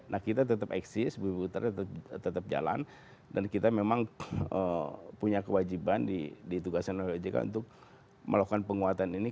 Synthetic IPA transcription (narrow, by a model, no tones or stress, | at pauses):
nʔahkit̪at̪ət̪əpɛ̰ksɪsbəput̪a̰r̚t̪ət̪əp̚d͡ʒa̰la̰n | dankit̪amemaŋəpuɲakəwad͡ʒibandidit̪uɡasanolod͡ʒika̰ṵnt̪ʊk̚ | mə̰lokanpəŋuat̪anini